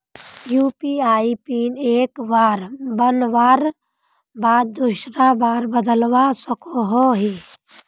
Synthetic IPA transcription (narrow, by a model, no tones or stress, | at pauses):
juːpiaːipiːneːkʋaːɾbənʋaːɾ | baːd̪̚d̪uʃɾabaːɾbəd̪əlwasəkoɦoɦiː